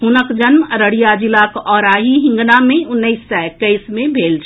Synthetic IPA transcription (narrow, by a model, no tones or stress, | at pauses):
ɦunəkd͡ʒənmɾəɽijad͡ʒilakɔːɾaːɦiɦɪ̃ŋɡnamẽʊnːəɪsːɛkəɪsmẽbʱeːlt͡ʃʰ